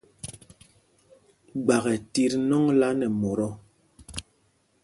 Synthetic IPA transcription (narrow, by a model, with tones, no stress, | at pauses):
ɡ͡ba˨ɣɛ˨ti˦ɾnɔ˦ŋla˦nɛ˨mo˨ɾɔ˦